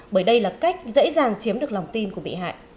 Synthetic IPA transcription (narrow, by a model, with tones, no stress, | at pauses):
ɓəː˧˩jɗə˧jlaː˨˩ka˦˥jk̟̚zə̰˧˥zaː˨˩ŋt͡ɕi˨˦mɗɨ˨˩ək̚la˨˩wŋ͡mt̪i˧nku˧˩əɓḭ˧˨ɦa̰ː˧˨jʔ